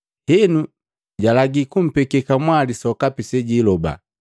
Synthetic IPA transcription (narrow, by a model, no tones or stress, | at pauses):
hɛnu | ɟalaɡikum̩pɛkɛkamwalisɔkapisɛɟilɔba̰